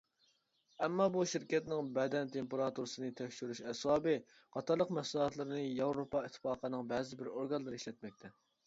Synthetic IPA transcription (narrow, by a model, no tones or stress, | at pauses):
ɛmːɑbuʃiɾkʲɛt̪nɪŋbɛd̪ɛnt̪ʰempeɾɑt̪uɾɨsɨnɨt̪ʰɛkʲʃyɾyʃɛswɑːbɨ | qʰɑt̪ʰɑɾlˠəqmɛslˠɦɑt̪lˠɨɾɨnɨjɑwɾopɑit̪ʰːfɑːqʰənɨŋbɛːzɪbɪɾoɾɡɑnlˠɨɾɨiʃlɛt̪̚mɛk̚ʲt̪ʰɛ